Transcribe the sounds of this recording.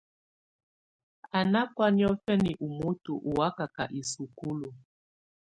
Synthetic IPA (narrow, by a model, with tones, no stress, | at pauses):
a˨na˦kwa˦ni˦ɔ˦fɛ˦ni˨ʔu˨mu˦tu˨ʔu˨wa˦ka˨ka˨ʔi˨su˨ku˦lu˨